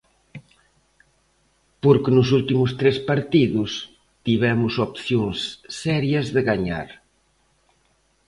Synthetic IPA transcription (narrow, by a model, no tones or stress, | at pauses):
poɾkɪnʊs̬ult̪imʊst̪ɾespaɾt̪iðʊs | t̪iβɛmʊsopθjoŋsːɛɾjɐzðɪɣaɲa̰ɾ